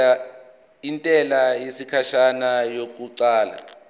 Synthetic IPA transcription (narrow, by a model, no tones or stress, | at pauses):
a | intʼɛlajesikʰaʃanajok̬uǀaːla̰